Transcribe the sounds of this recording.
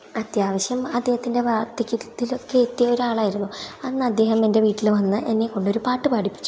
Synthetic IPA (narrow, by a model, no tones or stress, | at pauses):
ɐt̪jaːʋɐɕjɐmɐd̪ʱːe̞ːhɐt̪ːinde̞ʋaːrt̪ɐkʲːit̪ːilo̞kːe̞ːt̪ːijɐo̞ɾuaːɭaːjiɾunːuɐnːɨɐd̪ːe̞ːɦɐme̞nde̞ʋiːʈːilʋɐnːɨʔenːeko̞ɳɖo̞ɾupaːʈːɨpaːʈʰipːi̥t͡ɕːu